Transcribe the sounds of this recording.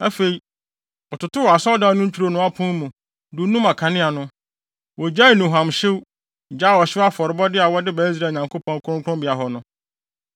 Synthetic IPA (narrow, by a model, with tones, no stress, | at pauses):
a˦fe˨i˨ | ɔ˨tʊ˨tʊ˦wɔ˨a˨sɔ˦da˨˦nʊ̃˦ɲ̩˦t͡ɕʰᶣu˦ɾo˦nʊ̃˦a˦pʰɔ̃˦n˦mũ˨ | du˨˦nũ˦ma˨kʰã˨nɪ̃˦a˨nʊ̃˦ | wɔ˨d͡ʑa˦i˨nũ˨ɦã˨mɕɪ˦w | d͡ʑa˦˨wɔ˨ɕɪ˦wa˦fɔ˨ɾɪ˨bɔ˦dɪ˦a˨wɔ˦dɪ˦baː˨˦i˦s̬ɾa˨˦˨ɲã˨ŋkʰo˦pʰɔ̃˦ŋ˦kʰʊ̃˦ŋ˦kʰʊ̃˦bɪ˨a˨ɦɔ˨nʊ̃˦